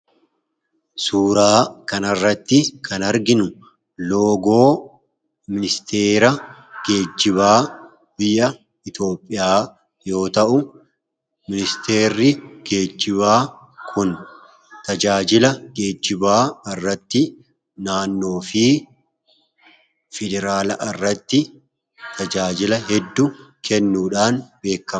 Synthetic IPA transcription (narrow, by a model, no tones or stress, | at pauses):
suːɾaːkɐnɐrːɐt̪ːɪkʰɐnɐɾɡɪnʊ | loːɡo̞ː | mɪnɪst̪ʰeːɾɐɡ̥e̞ːd͡ʒːɪβaː | bɪjːɐ | ɪt̪o̞ːpʼːɪjaː | jo̞ːt̪ɐʔʊ | mɪnɪst̪e̞ːɾːɪɡ̥eːd͡ʒːɪβaː | kʰʊn | t̪ɐd͡ʒaːd͡ʒɪlɐɡe̞ːd͡ʒːɪbaːɐrːɐt̪ːɪ | naːnːo̞ːfɪ | fɛd̪ɛɾaːlɐʔɐrːɐt̪ːɪ | t̪ʰɐd͡ʒaːd͡ʒɪlɐɦɛd̪ːukʰɛnːuːᶑaːnbe̞ːkːɐ